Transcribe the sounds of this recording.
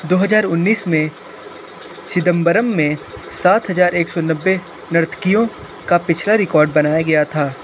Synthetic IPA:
d̪oːɦɐzaːɾʊnːiːsmẽ | ʃɪd̪ə̃mbəɾəmːẽsaːt̪ɦɐzaːɾeːksɔnɐbːe | nɐɾt̪ʰkijõ | kapɪt͡ʃʰlaɾɪkɔːɾɖ̚bɐnaːjaɡɐjat̪ʰaː

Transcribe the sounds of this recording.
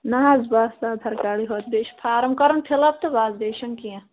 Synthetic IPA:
naɦaːzbaːɾst̪aːd̪ʱɐɾkaːɽiɦoːt̪̚beːʃpʰaːɾɐmkɐɾɐnpʰilɐb̚t̪ɐbaːzd̪eːʃɐŋkijã

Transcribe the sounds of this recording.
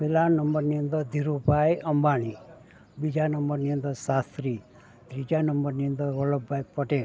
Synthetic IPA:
milanəmbəɾniə̃nd̪əɾd̪ʱiɾubʱajəmbaɽ̃i | bid͡ʒanəmbəɾniə̃nd̪əɾsast̪ɾi | d̪ɾid͡ʒanəmbəɾniə̃nd̪əɾʋələbbʱajpəʈel

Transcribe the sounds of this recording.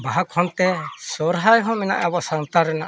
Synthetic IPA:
baɦakʰɔnt̪ɛsɔɾɦajɦɔ̃mina̰ʔɛbɔsaŋt̪aɾɛna̰ʔ

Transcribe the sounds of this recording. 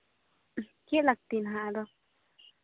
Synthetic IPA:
kjeʔlak̚t̪inɦad̪o

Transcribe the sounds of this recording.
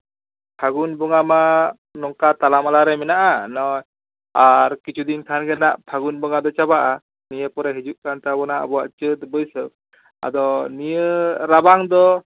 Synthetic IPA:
pʰaɡunbɔŋama | nɔŋkat̪alamalaɾɛmɛnaʔanɔj | aɾkit͡ʃʰud̪ink̪ʰanɡɛnaʔpʰaɡunbɔŋad̪ɔt͡ʃabaʔa | nijəpɔɾɛɦid͡ʒuʔkant̪abɔnaʔa̰bɔwaʔt͡ʃət̪bəjsə | a̰d̪ɔnijəɾabaŋd̪ɔ

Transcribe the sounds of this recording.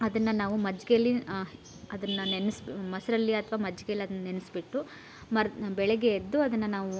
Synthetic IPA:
ɐd̪ɐnːɐnaːʋumɐd͡ʒɡejɐlːi | ɐd̪ɐnːɐnenismɐsɐɾɐlːiɐt̪ʰɐʋaːmɐd͡ʒɡejɐlːiɐd̪ɐnːɐnenisbiʈːu | mɐbɛɭɛɡeːd̪ːuɐd̪ɐnːɐnaːʋu

